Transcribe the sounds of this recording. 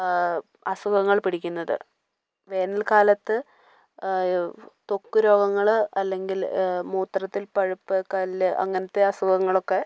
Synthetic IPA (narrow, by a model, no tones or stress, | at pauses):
ɐsuɡɐŋːɐɭpiɽikʲːunːɐðɨ̰ | ʋe̞ːnɐlkaːlɐt̪ːɨ | t̪o̞kːuɾo̞ːɡɐŋːɐɭɐlːe̞ŋɡilmuːt̪rɐt̪ːilpɐɻupːɨkɐlːɨʔɐ̰ŋːɐnɐt̪ːe̞ɐsuɡɐŋːɐɭo̞kːe̞